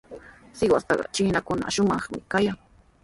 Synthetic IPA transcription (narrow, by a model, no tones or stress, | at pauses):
sɪwa̰st̪ɑɢɑ̰t͡ʃɪːnakʊna̰ʃʊmɑχmɪkajaŋ